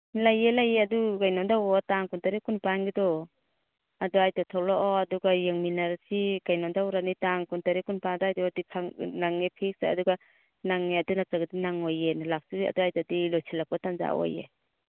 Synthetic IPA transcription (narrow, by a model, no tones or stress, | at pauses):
lajelajeaduɡajnɔndawɔtaŋkuntaɾikunpanɡidɔ | aduajtatʰɔwlɔʔɔaduɡajeŋminaɾsiɡajnɔndawɾanitaŋkuntaɾikunpadajdɔadikʰaŋnaŋːepʰik̚sa̰a̰duɡa | naŋːeadunat͡ʃaɡadinaŋɔjenlak̚sia̰duajtadilɔjsilakpɔtanza̰o̰jḛ